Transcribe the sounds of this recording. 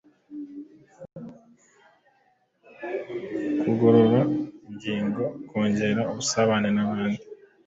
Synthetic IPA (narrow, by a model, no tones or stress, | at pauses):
kʰuɡo̞ɾo̞ɾamɟiːŋɡo̞kʰoːɲɟe̞ɾaoβusaβanenaβaːni